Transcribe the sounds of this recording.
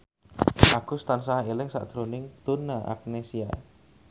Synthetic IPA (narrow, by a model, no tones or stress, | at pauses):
ʔaɡ̥ust̪ansaɦaelɛŋsa̰ʔd̪̥ɾonɪŋd̪̥onaʔa̰k̚nesia̰